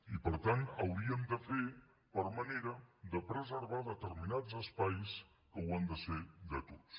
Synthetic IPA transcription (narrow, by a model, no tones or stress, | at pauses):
ipəɾt̪anəwɾiəmd̪əfe | pəɾməneɾəd̪əpɾəzəɾβaðət̪əɾminazəspajs | kəwand̪əsed̪ət̪ot͡s